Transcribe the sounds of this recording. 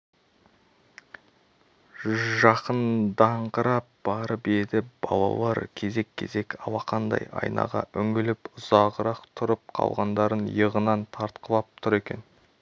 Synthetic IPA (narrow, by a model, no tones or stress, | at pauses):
ʒɑqənd̪ɑɴqəɾɑp̚b̥ɑɾəpe̞d̪ɪb̥ɑlˠɑ̰lˠɑɾkʲʰe̞ze̞kʲʰːe̞̰ze̞kɑwɑqɑnd̪ɑ̰jɑ̰jnɑ̰ʁɑ̰ʔʏŋɡɪlɪpʊzɑʁəɾɑqt̪ʰʊɾəp̚qʰɑ̰lˠʁɑnd̪ɑɾənjəʁənɑnt̪ʰɑɾt̪qəlˠɑp̚t̪ʰʊɾe̞kʲe̞̰n